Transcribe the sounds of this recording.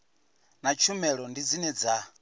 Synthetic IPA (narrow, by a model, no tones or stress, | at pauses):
nat͡ʃʰumɛɺɔndid͡zinɛd͡za